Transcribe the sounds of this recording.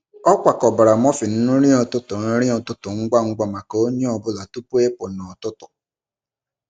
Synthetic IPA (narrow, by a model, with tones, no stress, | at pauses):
ɔ˦kʷa˨kɔ˨ba˨ɾa˨mɔ˦fɪ˨n̩˦nu˦ɾi˦ɔ˨tʊ˦tʊ˨n̩˦ɾi˦ɔ˨tʊ˦tʊ˨ŋ̩˦ɡa˦ŋ̩˦ɡa˦ma˨ko˦o˦ɲe˦ɔ˨bʊ˦la˨tu˦pu˦e˦pʊ˨nɔ˨tʊ˦tʊ˨